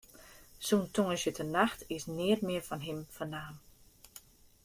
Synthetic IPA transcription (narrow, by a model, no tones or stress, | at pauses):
suntʰoŋəsjətʰənaxtɪsnɪətmɪərfɔnɦɪmfənaːm